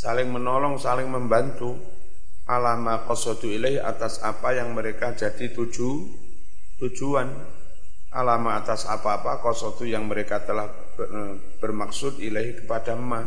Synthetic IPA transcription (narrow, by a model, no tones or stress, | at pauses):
salɪŋmənɔlɔŋsalɪŋməmbant̪u | ʔalamakɔsɔd̪uilaiha̰t̪asa̰pajaŋməɾekad͡ʒad̥it̪u̥d͡ʒu | t̪u̥d͡ʒ̥uan | ʔa̰lamaːt̪asa̰paːpakɔsɔd̪ujaŋməɾekat̪əlah | b̥ərmaksʊt̪ilaikə̥pad̥amːa